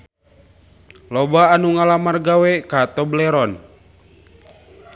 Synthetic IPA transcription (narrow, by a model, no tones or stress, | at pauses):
lɔbaːnuŋalamarɡawɛkat̪ɔblɛɾɔn